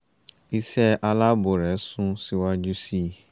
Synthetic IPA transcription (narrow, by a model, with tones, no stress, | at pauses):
i˦sɛ˦ʔa˦la˦bo˨ɾɛ˨˦sʊ̃˦si˦wa˦d͡ʒu˦si˦˨